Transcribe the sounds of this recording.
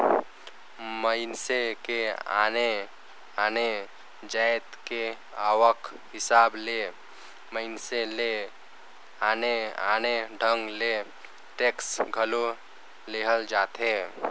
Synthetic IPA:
məɪnsekea̰ne | aːne | d͡ʒajt̪ke | aːwək | ɦɪsaːble | məɪnsele | aːnea̰neɖʱə̃ŋɡle | t̪eksɡʱəlo | leɦəld͡ʒaːt̪ɦe

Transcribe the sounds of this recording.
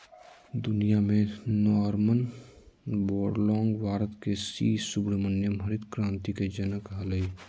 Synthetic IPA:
d̪ʊnijamẽnɔːɾmən | bɔːɖlɔ̃ːŋɡʋaːɾət̪kesiːsʊbɽmənjəmʱəɾɪd̪kɾãːnt̪iked͡ʒənəkaləi

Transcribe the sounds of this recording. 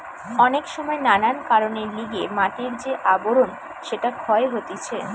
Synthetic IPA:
ɔnekʃɔmɔenanankaɾoneɾliɡemaʈiɾd͡ʑeʔaboɾon | ʃeʈakʰɔeɦot̪et͡ɕʰe

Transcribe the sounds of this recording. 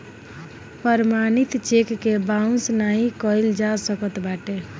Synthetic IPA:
pəɾmanit̪t͡ʃekːebaũsnaɦĩkəjld͡ʒasəkət̪baʈe

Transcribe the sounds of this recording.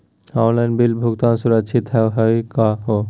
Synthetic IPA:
ɔnlajnbilbʱuk̚t̪ansuɾat͡ʃʰit̪ɛwɦɔjkaɦo

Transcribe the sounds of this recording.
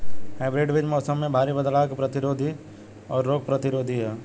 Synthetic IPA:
hɛːbɾeːɖʋɪd͡ʒmɔːsəmːẽbʱaːɾibəd̪laːkpɾɐt̪ɪɾoːd̪ʱi | ɔːɾːoːɡ̚pɾət̪ɪɾoːd̪ʱiɦɛː

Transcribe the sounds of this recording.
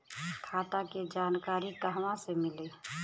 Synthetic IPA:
kʰaːt̪aked͡ʒaːnkaːɾikəɦʋãsemɪli

